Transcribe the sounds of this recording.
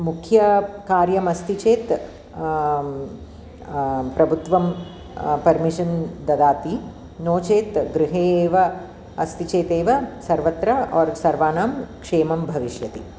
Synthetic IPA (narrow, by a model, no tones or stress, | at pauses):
mukʰjɐkaːɾjɐmɐst̪it͡ʃeːt̪ | pɾɐbʱut̪ʋɐm | pɐɾmiʂɐnd̪ɐd̪aːt̪i | noːt͡ʃeːt̪ɡɾɪɦeːʋɐ | ɐst̪it͡ʃeːt̪eːʋɐsɐɾʋɐt̪ɾɐɔːɾsɐɾʋaːnaːmkʂeːmɐmbʱɐʋiʃjɐt̪ḭ